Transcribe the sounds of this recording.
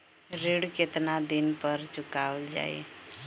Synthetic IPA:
ɾiɽket̪nad̪inpəɾt͡ʃʊkaəld͡ʒa̰ḛ

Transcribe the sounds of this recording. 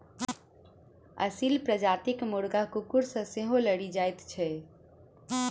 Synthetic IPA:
ə̰silpɾəd͡ʒat̪ɪkmʊɽɡakukuɾsə̃sẽɦõləɽid͡ʒajt̪t͡ʃʰɛ

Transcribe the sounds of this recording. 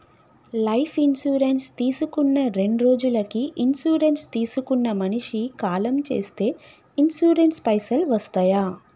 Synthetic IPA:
lɐjpʰinsuːɾenst̪iːsukunːɐɾe̞ɳɖɾo̞ːd͡ʒulɐkiʔinsuːɾe̞nst̪iːsukunːɐmɐniʂikaːlɐmt͡ʃe̞̰ːst̪e̞ː | insuːɾenspɐjsɐlʋɐst̪aːjaː

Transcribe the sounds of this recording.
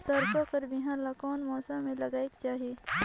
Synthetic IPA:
sɐɾkokəɾbɪɦãlakɔːnmɔːsammẽlɐɡaːekt͡ʃaːɦieː

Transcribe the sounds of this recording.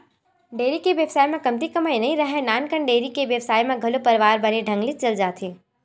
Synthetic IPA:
ɖeːɾikeʋeːʋsaːjmẽkɐmt̪ikɐmaːinɐĩɾɐɦẽnaːnkəɳɖeːɾikeʋeːʋsaːjmẽɡʱɐlopɐɾʋaːɾbɐneɖʱɐ̃ŋɡlit͡ʃɐld͡ʒaːt̪ʰeː

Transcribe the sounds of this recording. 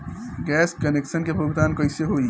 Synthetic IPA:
ɡɛːskəneksənkebʱuɡt̪aːnkəjseɦoi

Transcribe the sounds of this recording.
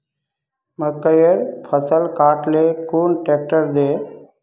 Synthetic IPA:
məkːəjəɾpʰəsəlkaːʈlekuːnʈeːk̚ʈəɾd̪eː

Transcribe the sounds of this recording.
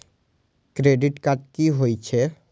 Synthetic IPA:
kɾeɖiʈkatkiɦojt͡ɕʰe

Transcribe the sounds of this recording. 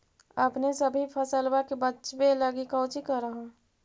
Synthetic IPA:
əpnesəbʱipʰəsəlwakebətːt͡ʃweləɡikəʊt͡ʃikəɾəɦõ

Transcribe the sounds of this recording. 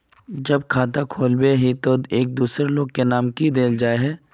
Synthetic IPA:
d͡ʒɐb̚kʰaːt̪akʰoːlbeɦit̪oeːk̚d̪uːsɾeloːɡkenaːmkid̪eːld͡ʒaːeɦɛː

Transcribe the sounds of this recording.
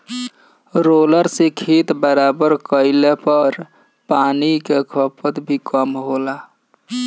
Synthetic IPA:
ɾoləɾsekʰit̪bəɾabəɾkəɪlepəɾ | panikekʰəpət̪bʱikəmɦola

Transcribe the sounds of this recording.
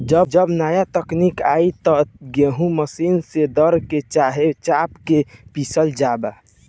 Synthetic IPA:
d͡ʒəb̚d͡ʒəbnajat̪əknikait̪ɔɡeɦũməsinsed̪əɾket͡ʃaɦet͡ʃapkepisəld͡ʒaba

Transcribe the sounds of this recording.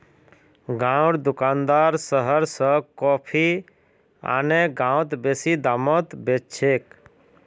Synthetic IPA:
ɡãɽd̪ukand̪aɾsəɦəɾsə̃kɔpʰi | a̰neɡãwt̪besid̪amət̪bet͡ʃʰek

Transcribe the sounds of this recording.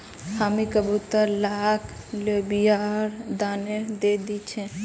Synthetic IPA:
hamikəbut̪əlakʰ | lobijaɾd̪aːned̪ed̪it͡ʃʰẽ

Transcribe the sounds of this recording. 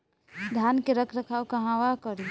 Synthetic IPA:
d̪ʱjankeɾəkʰɾəkʰawkəɦãwakəɾi

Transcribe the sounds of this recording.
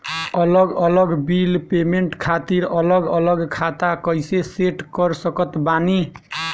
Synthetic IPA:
ʌlʌɡʌlʌɡbilpemeɳʈkʰat̪iɾʌlʌɡʌlʌɡkʰat̪akʌjseseʈkʌɾsʌkʌt̪bani

